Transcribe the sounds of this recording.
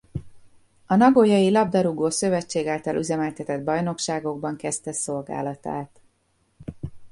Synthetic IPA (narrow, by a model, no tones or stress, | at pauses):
ɒnɒɡojɒjilɒb̚d̪ɒɾuɡoːsø̞vɛt͡ʃːeːɡaːlt̪ɒlʔyzɛmɛlt̪ɛt̪ɛd̪̚bɒjno̞kʃaːɡo̞ɡ̚bɒŋkɛst̪ɛso̞lɡa̰ːlɒt̪a̰ːt̪